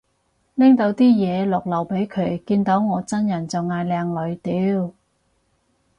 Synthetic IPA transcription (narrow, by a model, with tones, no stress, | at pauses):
lɪ˥ŋt̪o˨˧˥wt̪iː˥jɛː˨˧lʊ˨k̚lɐ˨˩wpe˨˥jkʰɵ˨˧ɥkiː˧nt̪o˨˥wŋɔː˨˧t͡sɐ˥njɐ˨˩nt͡sɐ˨wŋaː˧jlɛː˧ŋlɵ˨˧ɥt̪iː˨˧w